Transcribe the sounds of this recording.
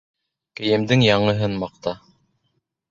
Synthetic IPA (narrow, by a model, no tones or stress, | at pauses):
kɘ̆jɘ̆md̪ɘŋjɑɴɤ̆ɦɤnmɑq̚t̪ɑ